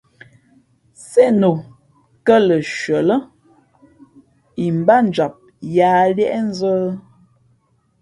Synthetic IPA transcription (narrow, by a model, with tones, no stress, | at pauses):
sɛ˦no˨ | kə˦lə˨ʃɥə˨lə˦ | i˨m˨ba˦n˨d͡ʒa˨p̚ | jaː˨˦ljɛ˦ʔɛ˦n̩˦zə˦